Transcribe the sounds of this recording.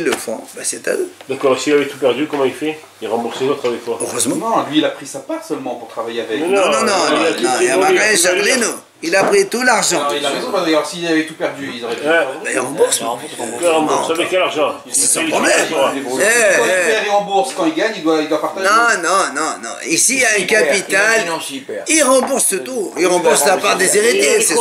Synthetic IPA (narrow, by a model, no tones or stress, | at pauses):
lːəfɔ̰̃basɛt̪a̰d̪ud̪akɔʁesilavɛt̪upɛʁd̪ykɔmɑ̃ilfɛ | iʁɑ̃buʁslezot̪χavɛk̚t̪waøʁøzmɑ̃nɔ̃lɥiːlapχisapaʁsœlmɑ̃puʁt̪χavajeavɛkɛnɔ̃ɔ̃nɔ̃anɔ̃iamaʁɛʃaʁleno | ilapχit̪ulaʁʒɑ̃ilaʁezɔ̃pasɡasiːavɛt̪upɛʁd̪yizɔʁɛbailʁɑ̃buʁs | ʁɑ̃ɔ̰̃ɛkɛlaʁʒɑ̃ | sɛsɔ̃ʁɔblɛmɛ̃pɛʁiʁɑ̃buʁskɑ̃ilɡaɲid̪waild̪wapaʁt̪anɔ̃nɔ̃nɔ̃nɔ̰̃isijaɛ̃kapit̪alɛiʁɑ̃buʁsət̪uʁilʁɑ̃buʁslapaʁd̪ezeʁit̪esɛ